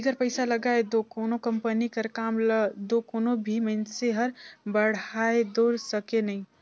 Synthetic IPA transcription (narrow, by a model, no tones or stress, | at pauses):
iɡəɾpəɪsaləɡaed̪okoːnokəmpənikəɾkaːmld̪okoːnobʱimənseɦəɾbəɽ̤aed̪oɾsəkenəĩ